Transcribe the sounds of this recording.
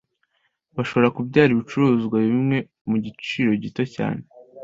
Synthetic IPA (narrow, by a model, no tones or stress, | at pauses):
βaʃo̞βo̞ɾakubɟaːɾiβit͡ʃuɾuːzɡwaβimŋe̞ | muɟit͡ʃiːɾo̞ɟitoca̰ːne̞